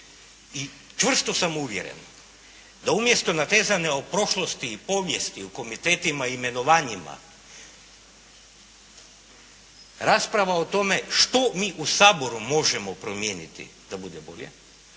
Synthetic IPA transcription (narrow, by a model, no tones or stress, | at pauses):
i | t͡ʃʋr̩st̪o̞samuʋjḛɾḛn | d̪aumje̞st̪o̞nat̪e̞ːzaneo̞pɾo̞ʃlˠo̞st̪iːpo̞ʋje̞st̪iuko̞mit̪eːt̪imaime̞no̞ʋaːɲima̰ | ɾaːspɾaʋaot̪o̞me̞ʃt̪o̞miːʔusaːbo̞ɾumo̞ʒemo̞pɾo̞mjeːnit̪ḭd̪̥abud̪ebo̞̰ʎḛ